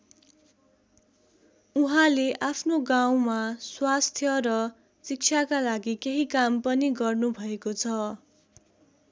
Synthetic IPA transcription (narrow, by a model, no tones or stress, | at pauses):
uɦãleʔapʰnoɡaw̃maswast̪ʰjʌɾʌ | sik̚t͡sʰakalaɡikeɦikampʌniɡʌrnubʱʌekot͡sʰʌ